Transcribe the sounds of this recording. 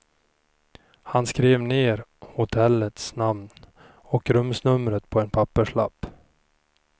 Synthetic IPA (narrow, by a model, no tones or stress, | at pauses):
hanskɾeːvneːɾhʊt̪ʰɛlːət̪snamn | ɔkɾɵmsnɵmɾət̪pʰɔɛnpʰapːəʂɭa̰pː